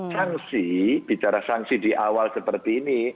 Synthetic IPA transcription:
saŋsib̥it͡ʃaɾasaŋsidiʔawalsəpərt̪iːni

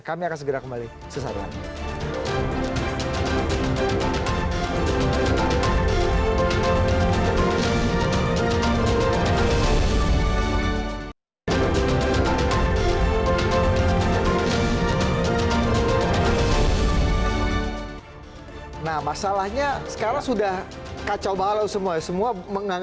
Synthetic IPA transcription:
kamiakans̬əɡəɾakəmbali | səsaɾia̰n | nahmasalahɲasə̥kaɾaŋsudah | kat͡ʃalbaɦalawsəmuasəmuaməŋaŋ

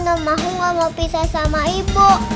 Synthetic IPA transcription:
nɔmːaɦuŋɔmopisasamaiboʔ

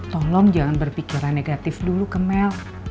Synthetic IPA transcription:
t̪ɔlɔmd͡ʒaŋanbərpikiɾanːeɡat̪ɪfdulukəmɛl

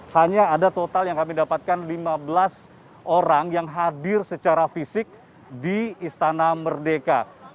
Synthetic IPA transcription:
haɲaːdat̪ot̪aljaŋkamidapat̪̚kanlimabəlas | ʔoɾaŋjaŋɦadɪrsət͡ʃaɾafisɪk̚ | diist̪anamərdeka

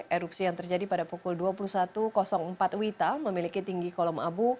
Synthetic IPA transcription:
ʔeɾupsijaŋt̪ərd͡ʒadipadapɔkʊlduapulusat̪ukɔsɔŋm̩pat̪wit̪alməmilikit̪iŋɡikɔlɔmʔabu

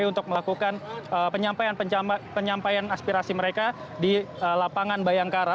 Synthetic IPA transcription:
junt̪ʊk̚məlakukanəpəɲampajanpəapəɲampajanaspiɾasiməɾeka | diəlapaŋanbajaŋkaɾa

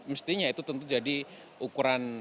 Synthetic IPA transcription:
məst̪iɲait̪ut̪ənt̪ud͡ʒadi | ukuɾan

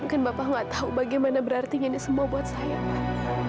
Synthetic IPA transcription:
kanbapaŋɡaʔt̪aubaɡajmanabəɾart̪iŋanisəmuabuɦat̪̚saja

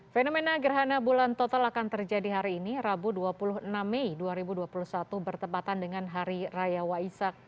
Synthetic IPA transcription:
fenomenaɡərɦanabulant̪ot̪alakant̪ərd͡ʒadiɦaɾiːnirabuduapuluɦnamːɛiduaɾibuduapuluhsat̪ubərt̪əmpat̪andəŋanɦaɾirajawaisak̚

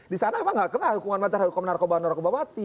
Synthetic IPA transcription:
disanawaŋɡaʔkənahukuŋanmat̪aɾaukomənarkobanɔɾkobawat̪i

